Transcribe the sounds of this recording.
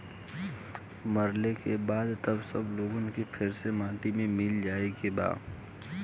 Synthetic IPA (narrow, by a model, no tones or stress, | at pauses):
məɾlekebaːd̪t̪əbsəbloːɡõnkepʰɪɾsemãːʈimẽmɪld͡ʒaːekeba̰ːd̪